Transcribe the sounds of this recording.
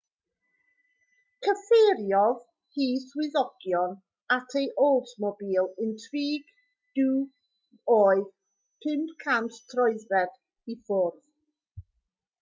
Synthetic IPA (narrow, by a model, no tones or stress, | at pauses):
kʰəfeːɾjɔð | hiːswɪðɔɡ̥jɔn | atʰejʔolˠtʰmɔbiːlˠɪntʰriːɡ̥ | d̥uː | oːɨð | pʰɪmdkʰanttʰrɔɨðvɛd̥ | ifʊrð